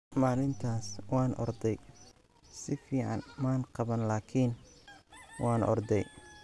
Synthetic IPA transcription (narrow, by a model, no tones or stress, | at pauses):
maːlɪnt̪ʰaːswɑːnʔɔ̰rd̪ɛj | sɪfiːʕɑ̰nmaːnqɑβɐnlaːkʰiːn | wʔɑːnʔɔ̰rd̪ɛj